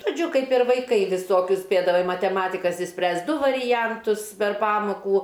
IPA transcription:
ʒoːˈd͡ʒʲʊ ˈkɐɪp ɪr ʋɐɪˈkɐɪ ʋʲɪˈsoːkʲʊs ˈsʲpʲeːdɐʋɐɪ mɐtʲɛˈmɑːtʲɪkɐs ɪʃʲˈsʲpʲrʲæːst ˈdʊ ʋɐrʲɪˈjɛntʊs pʲɛr ˈpɑːmoːkuː

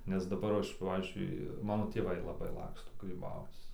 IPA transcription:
nʲɛs dɐˈbɐr ˈɐʃ ˈpɑːʋʲiːzʲd͡ʒʲʊɪ ˈmɑːnoː tʲeːˈʋɐɪ lˠɐˈbɐɪ ˈlˠɑːkstoː ɡrʲiːˈbɐʊt͡s

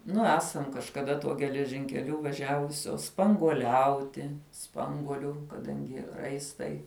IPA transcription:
ˈnʊ ˈæːsɐm kɐʃkɐˈdɐ tuɔ ɡʲɛlʲɛʒʲɪŋʲkʲɛˈlʲʊ ʋɐˈʒʲæːʋʊsʲoːs spɐŋɡuɔˈlʲɛʊtʲɪ ˈspɐŋɡuɔlʲuː kɐˈdɐŋʲɡʲɪ ˈrɐɪstɐɪ

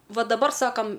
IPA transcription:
ˈʋɐ dɐˈbɐr ˈsɑːkɐm

